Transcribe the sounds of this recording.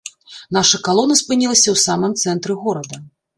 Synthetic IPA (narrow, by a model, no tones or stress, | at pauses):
naʂɐkalˠɔnɐspɨnʲilˠɐsʲɐwsamɨmt̪sɛnt̪ɾɨɣɔɾɐd̪ɐ